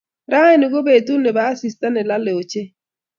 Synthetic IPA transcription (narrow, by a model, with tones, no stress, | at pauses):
ɾa˦ɛ˦nu˨ɡo˦be˨t̪u˦ne˨baː˦si˨sta˦nɛ˨la˦le˨o˨t͡ʃe˦